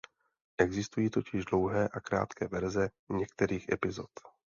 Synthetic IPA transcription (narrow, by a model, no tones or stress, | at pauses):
ʔɛɡzɪst̪ujiːt̪o̞cɪʒdlo̞wɦɛːʔakɾa̰ːt̪kɛːvɛɾzɛ | ɲɛkt̪ɛɾiːxʔɛ̰pɪzo̞t̪